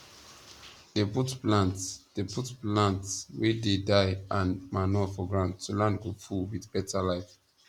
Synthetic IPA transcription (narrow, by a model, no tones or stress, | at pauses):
d̥eputplãntsd̥eputplãntswɛdedaɪãnmanɔfɔɡɹãʊ̃ndtʰːulãnɡofuwidbɛtalaɪf